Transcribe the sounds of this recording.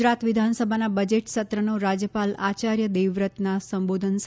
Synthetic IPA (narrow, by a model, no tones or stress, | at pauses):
ɾat̪ʋid̪ʱansəbʱanabəd͡ʒeʈʃət̪ɾənoɾad͡ʒjəpalat͡ʃaɾjəd̪eʋɾət̪nasəmbod̪ʱəns